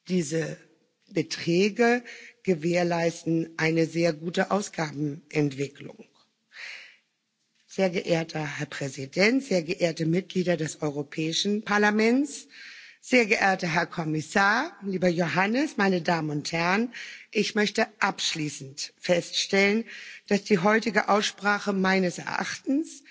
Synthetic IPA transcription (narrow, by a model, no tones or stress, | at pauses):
d̥iːzə | b̥ətʁ̥ɛːɡəɡ̥əveːɐlaɪstn̩ʔaɪnəzeːɐɡuːtəʔaʊsɡ̥aːbm̩ʔɛntv̥ɪklʊ̰ŋ | z̥eːɐɡəʔeːɐtʰɐhɛɐpʁ̥ɛzidɛntz̥eːɐɡəʔeːɐtəmɪt̚ɡ̥liːdɐdɛsʔɔʏʁopʰɛːɪʃn̩pʰaɐlamɛnt͡sz̥eːɐɡəʔeːɐtɐɦɛɐkʰɔmɪsaːɐliːbɐjoɦanəsmaɪnədaːmənʊnthɛʁənʔɪçmœçtəʔapʃliːsn̩tfɛstʃtɛlənd̥asd̥iːɦɔʏtɪɡəʔaʊsʃpʁ̥aːχəmaɪnəsɛ̰ɐʔa̰χtn̩s